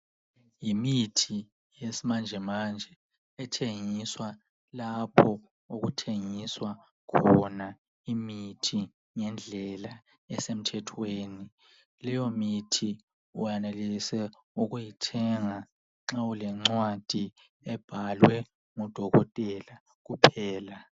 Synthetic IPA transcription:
jimitʰi | jesimand͡ʒʱɛmand͡ʒʱɛ | ɛtʰeŋiswa | lapʰɔ | oɣutʰeŋiswa | kʰɔna | imitʰi | ŋɛnd͡ɮʱɛla | ɛsem̩tʰɛtʰweːni | lɛjɔmitʰi | ujanelisɛ | uɣujitʰɛŋa | ŋ͡ǁaulɛŋ͡ǀwad̥ʱi | ɛb̥ʱalwɛ | ŋud̥ʱɔɣɔtʼɛla | ɣupʰɛːla

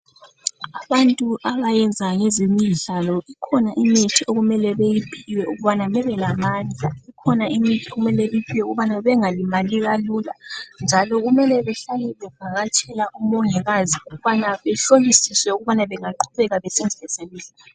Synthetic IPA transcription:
aβantʼuʔaβajɛnd͡zʱaŋezimiɮalɔikʰɔnaʔimitʰioɣumɛlɛβejipʰiwɛuɣuβanamɛβɛlamand͡ɮʱaikʰɔnaʔimitʰioɣumɛlɛβipʰiwɛuɣuβanaβɛŋalimaliɣalula̰nd͡ʒʱalɔɣumɛlɛβɛɬalɛβɛv̥ʱaɣat͡ʃʼʰɛlaʔumɔŋɛɣaziuɣuβanaβɛɬolisiswɛuɣuβanaβɛŋaǃʰuβɛɣaβɛsɛnd͡zʱilɛseliɮaɔ

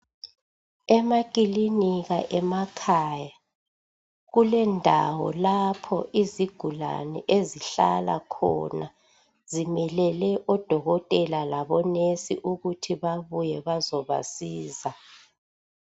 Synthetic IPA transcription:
ɛmakʼiliniɣaʔɛmakʰaːja | ɣulɛndʱawɔ̰lapʰɔʔiziɡ̥ʱula̰nɛʔeziɬa̰la̰kʰɔ̰na | zimɛlɛlɛʔɔd̥ʱɔɣɔtʼɛlalaβɔnesḭʔuɣutʰiβaβujɛβazɔβa̰siːza

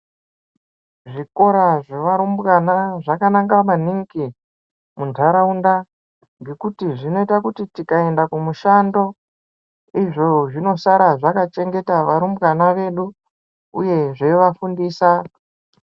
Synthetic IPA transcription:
ʐiko̞ɾaʐe̞ʋaɾumbɣanaʐakanaŋɡamaniŋɡi | mundʱaɾaunda | ŋɡe̞kutiʐino̞itakutitikae̞ndakumuʃando̞ | iʐoʐino̞saɾaʐakat͡ʃe̞ŋɡe̞taʋaɾumbɣanaʋe̞ɗu | uje̞ʐeiʋafundiːsa

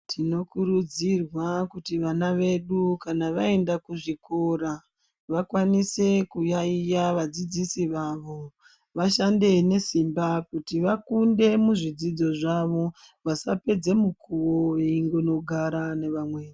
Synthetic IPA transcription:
tʰino̞kuɾud͡zirwakutiʋanaʋe̞ɗukanaʋae̞ndakuʐiko̞ɾa | ʋakwanise̞kujaijaʋad͡zid͡zisiʋaʋo̞ | ʋaʃande̞ne̞simbakutiʋakunde̞muʐid͡zid͡zo̞ʐaʋo̞ | ʋasape̞d͡ze̞mukʰuʋoeiŋɡono̞ɡʱaɾane̞ʋamwe̞ːi

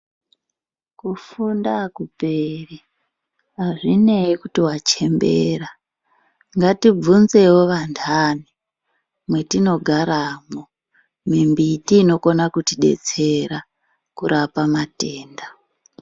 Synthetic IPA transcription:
kufundakuperi | ɦaʐineikutiwat͡ʃe̞mbḛra | ŋɡatib͡vunze̞wo̞ʋantʰani | mwe̞tino̞ɡʱaɾaːmo | mimbitiːno̞ko̞nakutiɗe̞̰t͡se̞ɾa | kuɾapamateːnda

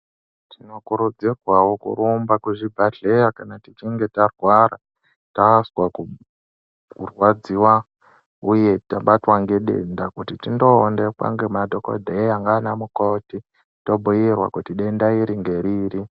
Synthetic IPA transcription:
tino̞kuɾud͡zekwawokṵɾumbakuʐibʱaɮe̞jakanatit͡ʃiŋɡe̞tarwaɾa̰ | taswaku | kurwad͡ziwa | uje̞taɓatwaŋɡeɗḛndakutitindo̞ːndeka̰ŋɡemadʱo̞ko̰dʱejaŋɡaːnamuko̞ti | to̞bʱujirwa̰kutiɗe̞ndaiɾiŋɡe̞ɾiːri

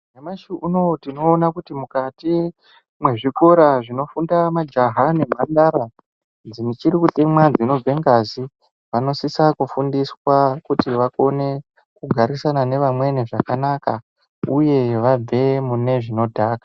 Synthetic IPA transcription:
nemaʃuʔuno̞tino̞ːnakutimukati | mwe̞ʐiko̞ɾaʐino̞fundamad͡ʒaɦane̞mandaɾa | d͡zinit͡ʃiɾikutemwad͡zino̞b͡vʱe̞ŋɡazi | ʋano̞sisakufundiswakutiʋako̞ne̞ | kuɡʱaɾisanane̞ʋamwe̞niʐakanaka | uje̞ʋab͡ve̞mune̞ʐino̞dʱaːkḁ

